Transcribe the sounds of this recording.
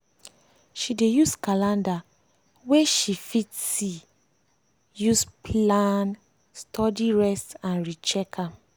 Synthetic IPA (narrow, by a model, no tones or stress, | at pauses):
ʃidejuskalãnda | weʃifitsi | juspʰlan | stʰɔdiɹɛstãnɹit͡ʃɛkʰã